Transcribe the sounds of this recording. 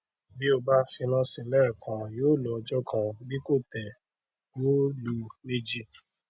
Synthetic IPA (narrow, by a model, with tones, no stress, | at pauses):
bi˦o˧˨ba˦fi˧nã˦sĩ˧lɛː˦˨kã˨joː˦˨lu˨ɔ˧d͡ʒɔ˦kʰã˧˨bi˦ko˦˨tɛ˨ | joː˦lu˧˦ne˧d͡ʒi˧